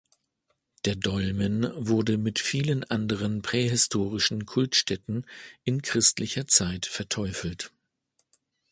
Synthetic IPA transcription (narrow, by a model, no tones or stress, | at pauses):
d̥eːɐdɔlmənvʊɐdəmɪtfiːlənʔandəʁ̞ənpʁ̥ɛːɦɪstʰoːʁɪʃn̩kʰʊltʃtɛtn̩ʔɪnkʁ̥ɪstlɪçɐt͡saɪtfɛɐtʰɔʏfl̩t